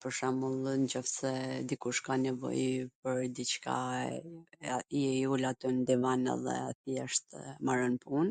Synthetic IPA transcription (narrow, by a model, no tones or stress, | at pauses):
pəɾʃamulˠnd͡ʑɔfsɛd̪ikuʃkanɛvɔ̰jpəɾd̪it͡ʃka̰ | iɛulat̪ynd̪ivanɛ̰ðɛ̰aθjɛʃt̪maɾɔnpun